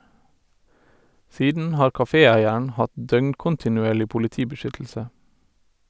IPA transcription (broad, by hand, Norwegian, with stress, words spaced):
ˈsiːdn̩ ˈhɑːɹ kɑˈfeːˌæɪəɳ̩ ˈhɑt ˈdœŋkʊntɪnʉˌeːɭɪ pʊlɪˈtiːbəˌʃʏtl̩sə